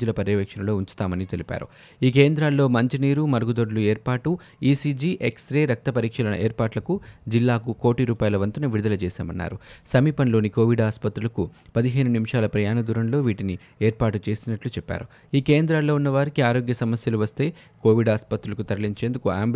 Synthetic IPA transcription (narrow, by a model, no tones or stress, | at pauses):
d͡ʒulɐpɐɾjɐʋɛːkʂɐnɐlo̞ːuɲt͡ʃu̥t̪aːmɐnit̪elipa̰ːɾu | iːkeːnd̪ɾaːlːo̞ːmɐɲt͡ʃiniːɾumɐɾɐɡud̪oɖlueːɾpaːʈu | iːsiːd͡ʒiːʔeksɾeːɾɐk̚t̪ɐpɐɾiːkʂɐlɐnɐ̰ʔeːɾpaːʈlɐkud͡ʒilːaːkuko̞ːʈiɾuːpaːjlɐʋɐnt̪ɐnɐʋiɽud̪ɐlɐt͡ʃɛːsa̰ːmɐnːa̰ːɾusɐmiːpɐnlo̞ːniko̞ːʋiɖaːspɐt̪ɾulɐkupɐd̪iɦejnunimiʂaːlɐpɾɐjaːnɐd̪uːɾɐnlo̞ːʋiːʈini | eːɾpaːʈut͡ʃe̞ːsinɐʈlut͡ʃɛpːa̰ːɾu | iːkeːnd̪ɾaːlːo̞ːunːɐʋaːɾikiaːɾo̞ːɡjɐsɐmɐsjɐluʋɐst̪e̞ː | koːʋiɖaːspɐt̪ɾulɐkut̪ɐɾɐliɲt͡ʃe̞ːnd̪ukuaːmb